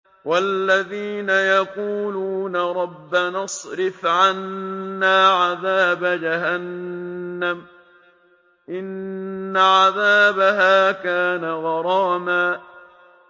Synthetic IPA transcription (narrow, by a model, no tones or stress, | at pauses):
walːaðiːnajaquːluːnaɾˤɑbːanɑsˤɾɪfʕanːaːʕaðaːbad͡ʒaɦanː | am | ʔɪnːaʕaðaːbaɦaːkaːnaɣɑɾˤɑːmaː